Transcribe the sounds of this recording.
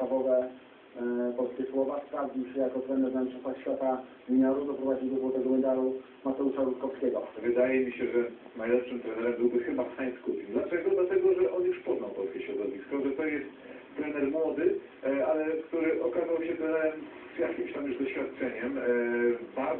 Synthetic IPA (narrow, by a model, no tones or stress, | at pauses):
avɔvɛ | pɔlskʲɛswɔvaspɾavɲiwɕɛjakɔt̪ɾɛnɛɾnamʲtt͡ʂɔnt̪axɕfʲjat̪avʲiɲaɾud̪ɔpɾɔvad͡ʑiwd̪ɔzwɔt̪ɛɡɔmɛnd̪aɾu | mat̪ɛuʂaɾut̪kɔfskʲɛɡɔvɨd̪ajɛmʲiɕɛʐɛ | najlɛpʂɨmt̪ɾɛnɛɾɛmbɘwbɘxɘbaft̪aɲskupʲiɡd̪lat͡ʂɛɡɔd̪lat̪ɛɡɔʐɛʔɔnjuʂpɔznawpɔlskʲeɕɾɔd̪ɔvʲiskɔʐɛt̪ɔjɛst̪ː | ɾɛnɛɾmwɔd̪ɘ | alɛkt̪uɾɘʔɔkazawɕɛt̪ɾɛnɛɾɛm | zjakʲimɕt̪amjuʐd̪ɔɕfʲjat̪̚t͡ʂɛɲɛm | baɾ